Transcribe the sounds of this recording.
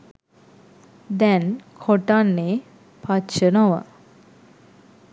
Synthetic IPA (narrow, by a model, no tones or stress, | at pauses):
d̪ɛnkʰoʈanːe | pʰatt͡ʃənoʋə̰